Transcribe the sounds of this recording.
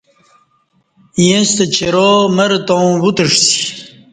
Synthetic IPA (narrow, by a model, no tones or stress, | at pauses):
jẽst̪et͡ɕeɾomɐɾt̪õbut̪əʂsi̥